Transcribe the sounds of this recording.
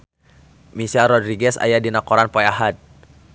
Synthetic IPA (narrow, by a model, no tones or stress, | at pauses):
misaɾɔdɾiɡɛsa̰jadinakɔɾanpɔjaɦat̪̚